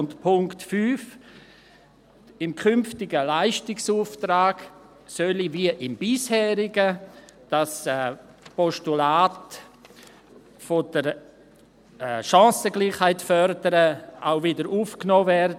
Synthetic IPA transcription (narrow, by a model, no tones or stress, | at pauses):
ntpʰʊŋktfyːf | ɪmkʰʏmftɪɡəlaɪʃtɪksuːftɾaːɡ̥ | sœliviəʔɪmbɪshɛːɾɪɡəd̥ɑsɛ | pɔʃtulaːt | fod̥əɾ | ɛːʃɑ̃ːsəɡliːχhaɪtfœɾdəɾəa̰ʊvɪdəɾuːfknoːvɛɾd